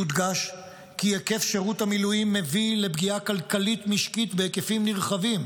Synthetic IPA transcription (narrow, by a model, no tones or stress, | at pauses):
ud̪ɡaʃ | kieke̞fʃeʁut̪hamilujimːe̞vile̞bɡiakalkalit̪miʃkit̪beekefimniʁχavim